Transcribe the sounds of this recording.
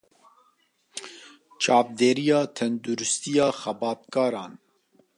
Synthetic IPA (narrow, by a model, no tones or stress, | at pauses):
t͡ʃɑːp̚d̪eːɾijɑːt̪ʰɛnd̪uɾust̪ijɑːxɛbɑːt̪̚kɑːɾɑːn